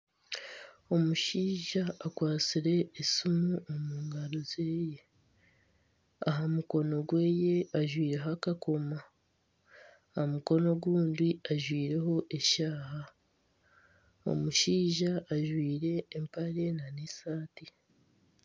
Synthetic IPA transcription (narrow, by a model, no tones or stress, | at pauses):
o̞muʃiːʒaːkwaːt͡siɾe̞ːsumuomuːŋɡaɾozeːje̞ | aɦamuko̞no̞ɡwe̞ːje̞aʒwiːɾe̞ɦakako̞ma | hamuko̞no̞ɡwuːndiaʒwiːɾe̞ho̞ʔeʃaːɦa | o̞̰muʃiːʒaʔːʒwiːɾe̞ːmpaɾe̞nanesaːti